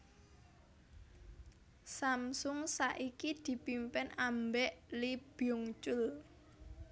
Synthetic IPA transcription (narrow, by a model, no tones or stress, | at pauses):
samsʊŋsaʔikid̪̥i̤pimpɪnambɛʔlib̥jɔŋt͡ʃʊl